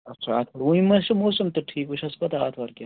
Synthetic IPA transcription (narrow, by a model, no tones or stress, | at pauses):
ɐt͡ʃʰaa̰ːt̪ʰʋɐɾũimɐʃɐmoːsɐmt̪ɐʈʰiːkuʃʰɐspɐt̪aːt̪ʰʋɐɾkʲaː